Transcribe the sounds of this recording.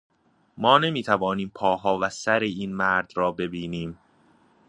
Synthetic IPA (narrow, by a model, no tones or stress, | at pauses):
mɒːne̞miːt̪ʰævɒːniːmpʰɒːɦɒːvæsæɾeiːnmæɾd̪ɾɒːbe̞biːniːm